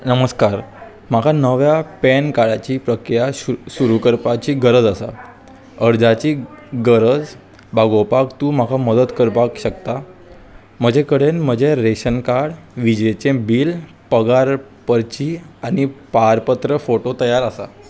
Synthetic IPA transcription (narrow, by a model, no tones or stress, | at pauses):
nəməskaɾ | m̤akʰanəʋjapɛnkaɽat͡ɕiːpɾəkɾijaɕuɾukəɾpat͡ɕiːɡəɾəd͡zasa̰ | əɾd͡zat͡ɕiːɡəɾəd͡z | bʱaɡopakt̪uːm̤akʰaməd̪ət̪kəɾpakɕəkt̪a | m̤əd͡ʑʱekəɽenm̤əd͡ʑʱeɾeɕənkaɽʋid͡ʑet͡ɕẽbiːl | pəɡaɾ | pəɾt͡ɕiːaɽ̃ipaɾpət̪ɾəfoʈot̪əjaɾasa̰